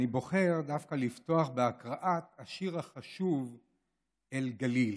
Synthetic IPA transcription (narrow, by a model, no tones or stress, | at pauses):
nibo̞χe̞ʁd̪afkalift̪o̞aχbeakʁaʔat̪aʃiʁhaχaʃuv | elɡalil